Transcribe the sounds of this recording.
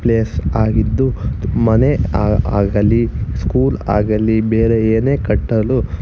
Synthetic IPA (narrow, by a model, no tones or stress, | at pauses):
pleːsaːɡid̪ːumɐneaa̰ːɡɐlːiskuːla̰ːɡɐlːibeːɾeeːneːkɐʈːɐlu